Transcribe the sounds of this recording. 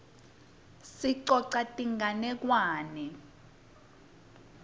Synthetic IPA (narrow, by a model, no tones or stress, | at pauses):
siǀɔǀatʼiŋanɛk̬waːnɛ